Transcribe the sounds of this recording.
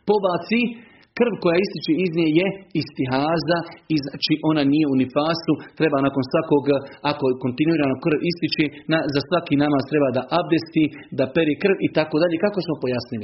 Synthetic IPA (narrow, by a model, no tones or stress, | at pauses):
po̞baːt̪si | kr̩ʋko̞jaist̪it͡ʃeizniejeist̪iɦaːzaiznat͡ʃiʔo̞nanije̞unifaːsut̪ɾe̞baːnaːko̞nsʋako̞ːɡako̞ko̞nt̪inuiːɾaːnokr̩ʋist̪it͡ʃenazasʋakiːnamaːst̪ɾe̞baːd̪aʔab̚d̪est̪id̪ape̞ɾeːkr̩ʋit̪akod̪aʎeːkako̞smo̞po̞jasnili